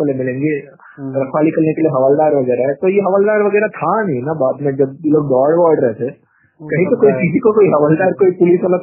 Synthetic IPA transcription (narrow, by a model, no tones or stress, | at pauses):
olemɪlẽːŋɡe | ɾɐkʰʋaːlikɐɾnekelieɦɐʋaːld̪aːɾʋɐɡɛːɾaɦɛt̪ojeɦɐʋaːld̪aːɾʋɐɡɛːɾat̪ʰanɐɦĩnabaːd̪mẽd͡ʒɐb̚jeloːɡ̚ɖɔːɽʋɔːɖɾɛɦt̪ʰeː | kɐɦĩt̪okoːit͡ʃiːzikokoːiɦɐʋaːld̪aːɾkoːipʊlisɐlə